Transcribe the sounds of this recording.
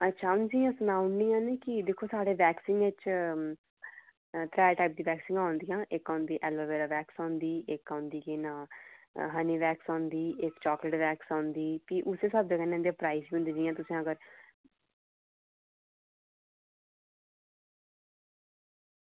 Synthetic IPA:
ətːʃʰaːʊ̃nd͡ʒiːãːsʊnaːʊnɖĩːjãːneːkɪd̪eːkʰːoːsaːɽeːʋɛːksɪ̃ŋɡʋɪt͡ʃ | t̪ɾɛːʈaːp̚d̪iːʋɛːksɪ̃ŋɡãːʊ̃nd̪ijãːʔɪkãːnd̪iːʔɛːlʋəːʋeːɾaːʋɛːksãːnd̪iːʔɪkãːnd̪iːkɪnãːɦəniːʋɛːksãːnd̪iːʔɪkt͡ʃaːkləʈʋɛːksaːnd̪iːpiːʔʊseːsəb̚d͡ʒeːkənːẽnd̪japɾaːisbiːʊ̃nd̪iːd͡ʒiːjãːt̪ʊsĩːəɡəɾ

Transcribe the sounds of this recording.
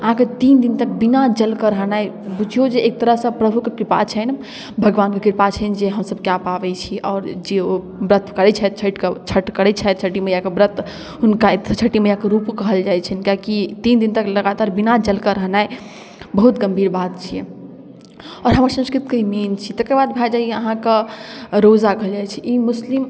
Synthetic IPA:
əɦãket̪ind̪int̪ək̚binad͡ʒəlkəɾəɦnae | bud͡ʒʱijod͡ʒeːk̚t̪əɾəɦsə̃pɾəbʱukekɾipa̰t͡ʃʰən | bʱəɡʋankekiɾpat͡ʃʰənd͡ʒeɦəmsəb̚kjapabɛt͡ʃʰiʔɔːɾd͡ʒeo | bɾət̪ʰkəɾɛt͡ʃʰɛt̪̚t͡ʃʰəʈket͡ʃʰəʈkəɾɛt͡ʃʰɛt̪̚t͡ʃʰəʈiməjakebɾət̪ʰ | ɦunkait̪t͡ʃʰəʈiməjakəɾupkəɦəld͡ʒajt͡ʃʰənkjakit̪ind̪int̪əkləɡat̪aɾbinad͡ʒəlkəɾəɦnae | bəɦut̪ɡəmbʱiɾbat̪̚t͡ʃʰijḛ | ɔːɾɦəmaɾsə̃skɾit̪kəiment͡ʃʰit̪əkeɾbad̪̚bʱad͡ʒaeəɦãkeɾod͡ʒakəɦəld͡ʒajt͡ʃʰiʔimuslim

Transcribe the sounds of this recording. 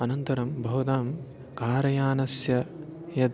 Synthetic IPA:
ɐnɐnt̪ɐɾɐmbʱɐɦd̪aːm | kaːɾɐjaːnɐsjɐjɐd̪

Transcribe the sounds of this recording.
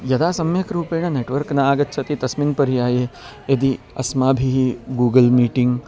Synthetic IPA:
jɐd̪aːsɐmjɐkɾuːpeɳɐneːʈʋɐɾknɐaːɡɐt̪ːt͡ʃʰɐt̪it̪ɐsminpɐɾijaːje | ed̪i | ɐ̰smaːbʱiɦiɡuːɡəlmiːʈiŋɡ

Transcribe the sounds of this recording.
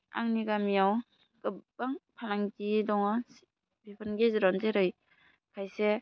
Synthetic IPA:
a̰ŋniɡamijaw | ɡ̥ɯbaŋpʰanaŋtidɔŋɔs | bipʰɯnɡezɯɾɔnzeɾɯj | kʰajse

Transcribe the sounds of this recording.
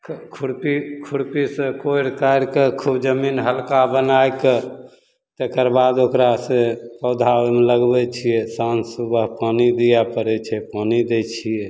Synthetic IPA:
kʰkʰuɽpikʰuɽpisẽkoiɾkajɾkekʰubd͡ʒəminɦəlkabənajke | t̪ekəɾbad̪okɾasẽpəwd̪ʱaomeləɡbɛt͡ʃʰijɛsansubəɦpanid̪ijapəɾɛt͡ʃʰɛpanid̪ɛt͡ʃʰijɛ

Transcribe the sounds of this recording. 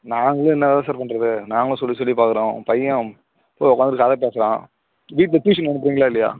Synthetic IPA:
naːŋɡɐɭɯ̃ɛnːɐðaːðãːsaːɾpɐɳɾɐðɯnaːŋɡɐɭ̃sɔlːisɔlːipaːkɯɾõːpɐjːɐ̃ | poːɔkːaːnd̪ɾɯkɐðɐp̬eːsɐlã̰ː | ʋiːʈ̬lɐt̪uːʂɐnnɐɳɯp̬ːɾiːŋɡɐɭaːɪlːɐja̰ː

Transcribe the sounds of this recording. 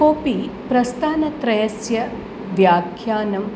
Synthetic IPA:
koːpipɾɐst̪ʰaːnɐt̪ɾɐjɐsjɐ | ʋjaːkʰjaːnɐm

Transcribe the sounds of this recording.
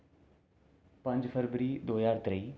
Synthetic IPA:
pə̃ɲd͡ʒpʰəɾʋəɾiːd̪oːjaːɾt̪ɾəiː

